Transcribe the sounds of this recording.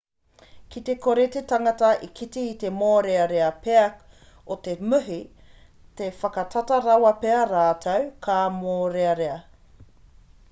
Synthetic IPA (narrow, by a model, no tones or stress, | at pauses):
kit̪e̞kʰoɾet̪etɐŋɐtɐʔikʰitiːt̪e̞moːɾeɐɾeɐpeɐk | ot̪emʉɦi | tefɐkɐtʰɐtɐɾɐwɐpeɐɾaːtʰɐwkʰaːmoːɾeɐɾeɐ